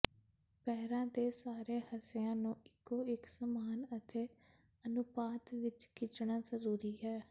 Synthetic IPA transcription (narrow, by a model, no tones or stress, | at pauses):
pɛːɾãːd̪eːsaːɾeːhəsɪjãːnũːɪkːoːɪksəmaːnət̪ʰeː | ənʊpaːt̪ʋɪt͡ʃkɪt͡ʃɳaːzəɾuːɾiːɦɛː